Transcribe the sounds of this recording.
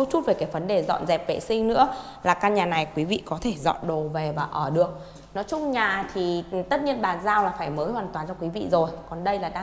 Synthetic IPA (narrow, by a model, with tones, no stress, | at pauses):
u˦˥t͡ɕu˦˥t̚ve˨˩kaː˨˦jvə˨˦nɗe˨˩zɔ̰˧˨nzɛ˨˩p̚vḛ˧˨sï˧ŋ̟nɨ̰˧˥əlaː˨˩kaː˧ɲaː˨˩na˨˩jkwi˨˦vḭ˧˨kɔ˨˦t̪ʰe˧˩zɔ̰˧˨nɗo˨˩ve˨˩vaː˨˩ʔəː˧˩ɗɨ˨˩ək̚ | nɔ˨˦t͡ɕʊ˦˥ŋ͡mɲaː˨˩t̪ʰi˨˩˨t̪ə˦˥t̚ni˧ənɓaː˨˩nzaː˧wlaː˨˩faː˧˩jməː˨˦jhwaː˨˩nt̪waː˨˩nt͡ɕɔ˧kwi˨˦vḭ˧˨zo˨˩jkɔ˨˩nɗə˧jlaː˨˩ɗaː˧